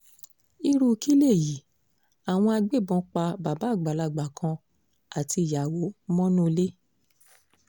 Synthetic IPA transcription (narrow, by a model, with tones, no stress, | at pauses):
i˦ɾu˦˧ki˦le˦˨ji˨˦ | a˨w̃ɔ̃˧a˧ɡ͡be˦˨bɔ̃˧˨k͡pa˧ba˨ba˨˦˨ɡ͡ba˨la˧˨ɡ͡ba˨kʰã˧ | a˨ti˧i˨ja˨wo˨˦mɔ̃˦nũ˦˧le˦